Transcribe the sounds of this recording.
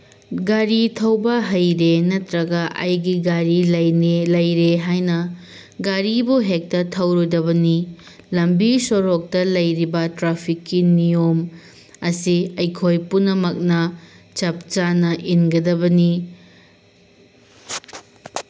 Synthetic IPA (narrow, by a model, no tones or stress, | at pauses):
ɡaɾitʰɐwbɐɦɐjɾenɐtɾɐɡɐʔa̰jɡiɡaɾilɐjnelɐjɾeɦajnɐ | ɡaɾibuɦek̚tɐtʰɐwɾodɐβɐni | lɐmbisoɾok̚tɐlɐjɾibɐtɾapʰikːinijom | ɐsiɐjkʰojpunɐmɐk̚nɐ | t͡ʃɐp̚t͡ʃanɐʔinɡɐdɐbɐni